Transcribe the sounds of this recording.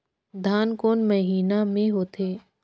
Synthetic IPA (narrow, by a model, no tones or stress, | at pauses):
d̪ʱaːnkoːnmɐɦiːnamẽɦoːt̪ʰeː